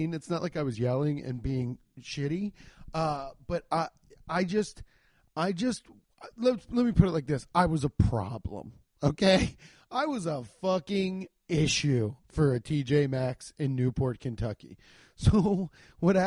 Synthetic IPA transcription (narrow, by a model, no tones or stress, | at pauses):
nɨtsnətʔlaɪkaɪwʌzjɛlˠɪ̃ŋɨ̰̃nbiɪ̃ŋ | ʃɪɾiʌb̥ʌɾa | aɪd͡ʒʌst | aɪd͡ʒʌst̚ | lɛlɛt̚mipʰʊɾɨtˡlaɪk̚ðɪsaɪwʌzəpʰɹ̥ɑ̰blə̰̃m | oʊkʰeɪ | ʔaɪwʌzəfʌkɪ̃ŋ | ɪʃʉfə˞ɨtʰid͡ʒeɪmæksɨ̃nːʉpʰɔɹt̚kʰɨ̃ntʰʌkḭ | soʊ | wʌɾ